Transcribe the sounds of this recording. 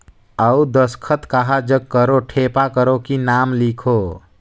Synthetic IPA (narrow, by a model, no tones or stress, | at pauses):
əud̪əskʰət̪kaɦad͡ʒəɡ̚kːəɾoʈʰepakəɾokinamlikʰo